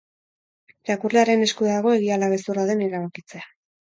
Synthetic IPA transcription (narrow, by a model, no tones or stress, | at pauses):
ɾakurleaɾe̞ne̞skuðaɣo̞e̞ɣialaβe̞suraðe̞neɾaβakit͡se̞a